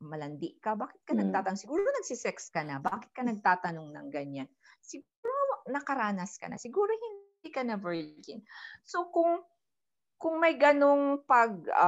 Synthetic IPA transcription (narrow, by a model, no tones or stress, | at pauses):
mɐlɐnd̪ɪʔkɐbaːkɪt̪̚kɐnɐɡ̚t̪aːt̪ɐnŋsɪɡuːɾonɐɡ̚sɪsɛkskɐnɐbaːkɪ̥t̪̚kɐnɐɡ̚t̪aːt̪ɐno̞ŋnɐ̰ŋɡɐɲan | sɪɡuːɾonɐkɐɾaːnɐskɐ̰nɐ̰sɪɡuːɾo̞hɪnd̪iːkɐnɐbɛɹd͡ʒɪnsokʊŋ | kʊŋmɐjɡɐno̞ŋpɐɡ̰̚